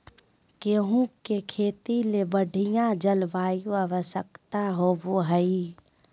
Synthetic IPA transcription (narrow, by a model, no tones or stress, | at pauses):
keɦũkekʰeːt̪ilebəɖʱɪjãd͡ʒəlʋaːjuəʋəsəkt̪aɦoboːɦəi